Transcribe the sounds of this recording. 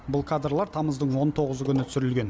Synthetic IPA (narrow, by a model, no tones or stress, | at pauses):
bʊlˠkʰad̪rlˠɑɾt̪ʰɑməzd̪əɴwo̞nt̪ʰo̞ʁəzəkʲʰʏnɪt̪ʏ̥sɪɾɪlɡʲe̞n